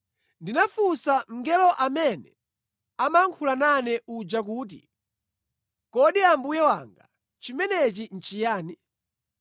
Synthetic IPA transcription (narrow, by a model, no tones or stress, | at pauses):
ndinafusam̩ŋɡɛlɔʔamɛnɛ | amaŋkʰulananɛʔud͡ʒak̬uːt̬ḭ | kɔɗiambujɛwa̰ŋɡa̰ | t͡ʃimɛnɛt͡ʃin̩t͡ʃijaːni